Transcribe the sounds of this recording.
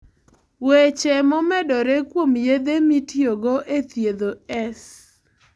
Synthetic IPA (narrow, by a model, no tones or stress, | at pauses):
wet͡ʃɛmɔmɛdɔɾekwomjed̪emitjoɡoʔet̪jed̪oɛs